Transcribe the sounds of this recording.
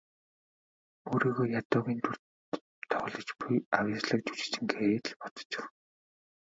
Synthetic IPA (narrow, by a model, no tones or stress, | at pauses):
oːɾiːɣoːjat̪ʊːɣʲiːnt̪ʰur | t̪ʰɔχ̆ɮɞ̆t͡ɕpujawʲɪt͡ɕɮə̆k̚t͡ɕu̥t͡ɕɪ̥̆t͡ɕɪ̆ŋɡeːt̪ɮpɔt̪ɞ̥̆t͡ɕɪ̥̆x